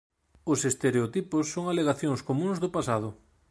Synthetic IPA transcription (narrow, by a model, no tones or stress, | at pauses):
ʊsest̪eɾeot̪ipʊsːoŋaleɣaθjoŋskomũŋzðʊpasað̞ʊ